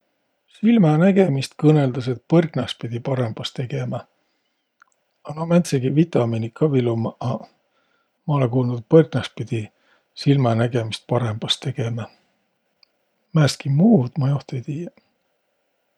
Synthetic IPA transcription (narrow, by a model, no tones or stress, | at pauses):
silmɑnæɡ̥e̞mist̪kɤne̞ld̪̥ɑse̞t̪̚pɤrɡnɑspid̪̥ʲipɑɾe̞mb̥ɑst̪e̞ɡ̥e̞mɑ | ɑnomænt̪seɡ̥ivit̪ˑɑminikʰːɑvilumɑʔɑ | mɑolekuːlnud̪̥̚pɤrɡnɑst̪̚pid̪̥i | silmɑnæɡe̞mist̪̚pɑɾe̞mb̥ɑst̪e̞ɡ̥e̞mɑ | mæːst̪kimuːd̪̥mɑjoht̪it̪iːjɑ